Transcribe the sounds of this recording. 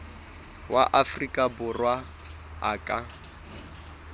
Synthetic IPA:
wʔa̰ʔafrikʼabʊrwa | aːkʼa

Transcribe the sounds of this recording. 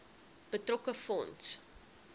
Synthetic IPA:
b̥ətrɔkəfɔns

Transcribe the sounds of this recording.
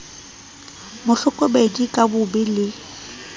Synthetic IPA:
mʊɬʊkʼɔbedikʼabʊbɪlɪ

